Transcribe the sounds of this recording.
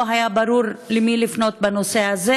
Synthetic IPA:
ɦajabaɾuʁlemilifno̞t̪bano̞se̞aze

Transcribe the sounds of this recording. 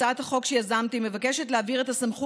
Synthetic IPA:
aʔat̪haχo̞kʃejazamt̪ime̞vakeʃetleaviʁe̞tasamχu

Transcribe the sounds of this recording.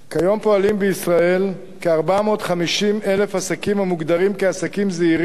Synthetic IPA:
kajo̞mpo̞alimbeisʁae̞l | keaʁbamo̞ːtχamiʃime̞le̞fhasakimhamuɡd̪aʁimkeasakimzeiʁ

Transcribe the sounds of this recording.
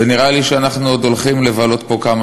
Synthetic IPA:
eniʁaliʃeanaχnuod̪o̞lχimle̞valo̞t̪po̞kama

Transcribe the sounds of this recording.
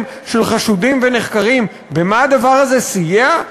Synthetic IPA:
m | ʃelχaʃudimvene̞χkaʁim | bemaad̪avaʁaze̞sijea

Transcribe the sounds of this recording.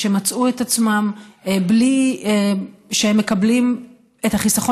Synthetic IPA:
ʃemat͡suetat͡smambli | ʃehemːe̞kablim | e̞thaχisaχo

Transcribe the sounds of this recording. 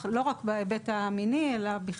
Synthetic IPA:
lo̞ʁakbaebet̪aːminielabiχ

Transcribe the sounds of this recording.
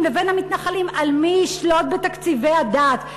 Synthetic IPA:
mleve̞nhamit̪naχalimalmiːʃlo̞t̪̚be̞t̪akt͡sivejad̪aːt̪

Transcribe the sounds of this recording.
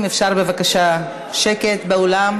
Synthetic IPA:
mefʃaʁbe̞vakaʃa | ʃeke̞t̪beolam

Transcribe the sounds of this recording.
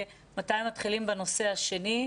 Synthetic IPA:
mataimːatχilimbeno̞se̞haʃe̞ni

